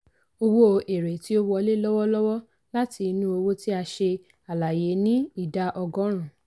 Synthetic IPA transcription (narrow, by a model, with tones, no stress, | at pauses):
o˧wo˦o˧ʔe˨ɾe˨ti˨˦o˦wɔ˧le˦lɔ˦wɔ˦lɔ˦wɔ˦ | la˦tʰi˧nũ˦o˧wo˦ti˦a˧ʃe˧ | a˨la˨je˨˦nĩ˦i˦˨da˧ʔɔ˧ɡɔ̃˨˦ɾ̃ã˨